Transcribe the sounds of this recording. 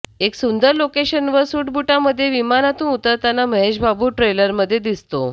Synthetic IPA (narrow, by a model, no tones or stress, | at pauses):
eksund̪əɾlokeɕənʋəɾsuʈbuʈaməd̪ʱːjeʋimanat̪uːnut̪əɾt̪anːaməɦeɕbabuːʈɾeləɾməd̪ʱːjed̪ist̪o̰